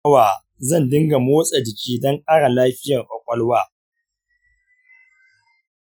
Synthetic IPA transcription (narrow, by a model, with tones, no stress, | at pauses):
waː˨ | zɐ˦˨ndɪ˦ŋɡa˨moː˦sʼa˨dɪ˨kʲiː˦dɔ˦ŋkʼaː˦ɽa˨laː˦ɸɪ˦jɐ˨ŋʔʼɔ˨kʷʼɔ˦lwaː˦